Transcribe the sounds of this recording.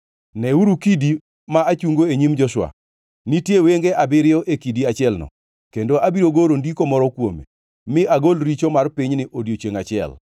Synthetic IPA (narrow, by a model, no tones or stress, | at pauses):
nɛuɾukidi | maat͡ʃuŋɡoeɲimd͡ʒɔʃwa̰ | nitjeweŋɡeʔabɪɾɪɔʔekidiat͡ʃɪɛlnɔ̰ | kendoʔabiɾoɡoɾondikomɔɾɔkwomḛ | mɪʔaɡolɾit͡ʃomarpiɲnɪʔodjot͡ʃeŋat͡ʃɪɛ̰l